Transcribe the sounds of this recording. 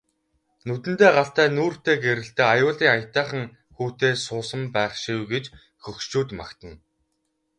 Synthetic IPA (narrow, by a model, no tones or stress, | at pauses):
nut̪ɘ̆nt̪eːɢaɬt̪æːnuːr̥t̪eːɡeɾɘ̆ɬt̪eːajʊːɮiːŋajʰt̪æːχə̆ŋ | xuːt̪eːsʊːsə̆mpæːχʃiwɡet͡ɕ | xɵxʃt͡ɕuːt̪ma̰kt̪ə̆n